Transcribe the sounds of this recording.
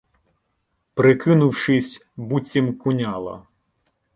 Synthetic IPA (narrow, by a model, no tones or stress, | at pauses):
pɾɪkɪnʊwʂɪsʲ | but͡sʲimkʊnʲalˠɐ̰